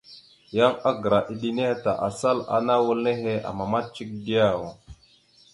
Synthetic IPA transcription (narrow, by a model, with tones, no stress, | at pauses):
ja˦ŋa˦ɡə˨ɾa˨ʔi˨ɗi˦ne˦he˦ta˨ʔa˨sa˦la̰˨na˦wu˦lne˦ɦe˦a̰˨ma˨ma˦t̚t͡ʃi˦k̚di˦ja˦˨wo˨